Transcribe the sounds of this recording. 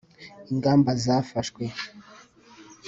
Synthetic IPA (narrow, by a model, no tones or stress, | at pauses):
iŋɡaːmbazafaʃkwe